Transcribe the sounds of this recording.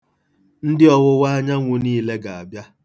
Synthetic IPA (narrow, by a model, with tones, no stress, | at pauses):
n̩˦dɪ˦ɔ˦wʊ˦wa˦ɲa˦ŋʷʊ˦niː˦le˦ɡa˨a˨bja˦